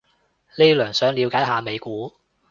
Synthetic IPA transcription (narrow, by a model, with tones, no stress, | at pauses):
le˥lœː˨˩ŋsœː˨˥ŋliː˨˧wkaː˨˥jhaː˨˧me˨˧jkuː˨˥